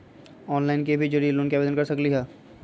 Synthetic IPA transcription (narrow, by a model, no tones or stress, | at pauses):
ɔːnlaːɪnkebʱid͡ʒoɾilːuːnkiɐbeːd̪ənkɐɾsɐkliɦɛː